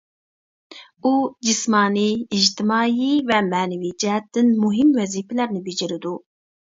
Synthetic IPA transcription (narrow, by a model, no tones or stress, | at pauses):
ud͡ʒismɑːniːd͡ʒt̪ɨmɑːjivɛmæːnɛviːd͡ʒɛt̪̚d̪ɨnmuɦimwɛziːfɛlɛɾnɨbid͡ʒiɾɨd̪u